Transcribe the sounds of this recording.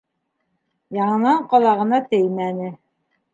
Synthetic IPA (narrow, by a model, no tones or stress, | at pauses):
jɑɴɤ̆nɑɴqɑlˠɑʁɤ̆nɑt̪ɘjmænɘ